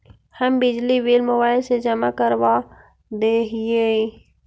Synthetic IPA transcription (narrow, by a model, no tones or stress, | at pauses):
həmbɪd͡ʒliʋiːlmʊbaːɪlsed͡ʒəmakəɾʋa | d̪eɦɪje